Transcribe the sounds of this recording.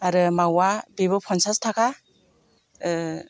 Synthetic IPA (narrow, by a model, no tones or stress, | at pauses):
aɾɯmawabeβɯpʰɔnsastʰakʰa